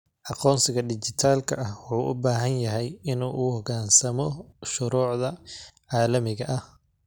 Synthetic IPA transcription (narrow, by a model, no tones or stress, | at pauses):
ʔɑqɔːnsɪɣɐɖɪt͡ʃɪt̪ʰaːlkʰɐʔɐhwʊħuːʔʊ̰baːɦɐnjɐɦɛjɪnuːʔuːɔɣaːnsɐmɔʃʊɾuːʕðɐʕɑːlɐmɪɣɐʔɐh